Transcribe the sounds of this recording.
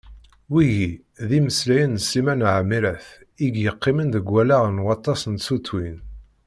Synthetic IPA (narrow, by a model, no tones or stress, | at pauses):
wiʝi | ðiməslæjənsːimænʕmːiɾəθ | iɡjəqːɪmənd̪əɡʷːælaʁnwɑt̪ˤːɑsənsut͡sːwin